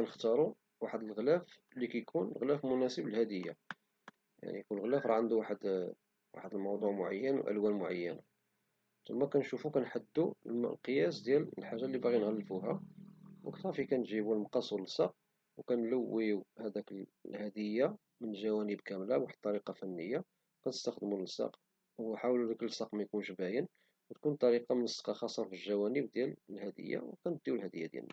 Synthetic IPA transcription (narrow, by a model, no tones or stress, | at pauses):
kænəxt̪ɑɾˤu | waħəd̪əlɣlæf | likæjkʰunɣlæfmʊnæsəbəlhæd̪əjːa̰ | ja̰ʕnikʊlːɣlæfɾˤɑʕənd̪uwaħəd̪ | wa̰ħəd̪əlmɑwd̪ˤuʕmʊʕa̰jːənwʔə̰lwænmʊʕajːəna | t̪ʊmːækænʃufukænħad̪ːulqjæsd̪jællħaʒːalːibaɣinɣælːfuɦæwəkt̪æfikænʒibulmɑqɑsˤuləsˤɑq̚ | wkænləwːiuhæd̪ækəl | hæd̪əjːa | mənəlʒæwænəbkæmlæwaħt̪ˤːɑɾiqɑfænːəjːa | kænəst̪əxd̪munəsɑ̰q | wħawlud̪æklsˤɑqmæjkunʃbæjən | wət̪kunt̪ˤɑɾiqɑmənəsːɑ̥qɑxɑsˤːɑfilʒæwænəbd̪jæləlhæd̪ə̰jːa̰wkænəd̪ːiwlhæd̪əjːad̪jæ̰lnːæ̰